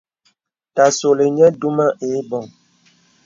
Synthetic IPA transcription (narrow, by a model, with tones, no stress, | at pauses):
ta˨so˨le˨ɲɛ˦du˦ma˦ʔe˨˦bɔ˨ŋ